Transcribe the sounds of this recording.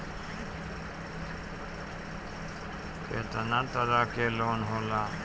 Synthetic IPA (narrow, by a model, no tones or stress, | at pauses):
ket̪ənat̪əɾakeloːnɦoːla